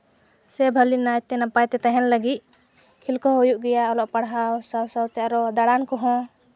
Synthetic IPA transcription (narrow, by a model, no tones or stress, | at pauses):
sɛbʱəlinajt̪ɛnapajt̪ɛt̪aɦɛnləɡit̪̚ | kʰilkɔɦojuʔɡɛjaɔlɔʔpaɽɦaɔsawsawt̪ɛʔaɾɔd̪aɽankɔɦɔ̃